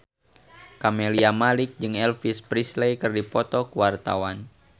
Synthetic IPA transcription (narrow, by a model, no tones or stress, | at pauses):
kameliamalik̚d͡ʒɨŋɛlfispɾislejkɨrdipɔt̪ɔkəwart̪a̰wan